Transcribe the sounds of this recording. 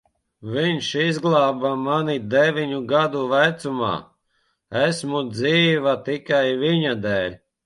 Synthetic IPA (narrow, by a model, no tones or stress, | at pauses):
viɲʃizɡlˠɑːbamanid̪evʲiɲuɡad̪uvæt̪suma̰ː | æsmud̪ziːvat̪ikajviɲad̪ɛːlʲ